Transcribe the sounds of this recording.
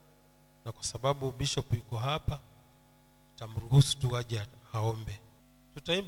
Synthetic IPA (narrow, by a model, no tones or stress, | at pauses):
nakwasaɓaɓuɓiʃɔpikɔɦapa | tam̩ɾuɦusu̥tuaʄaaɔmbɛ | tutaim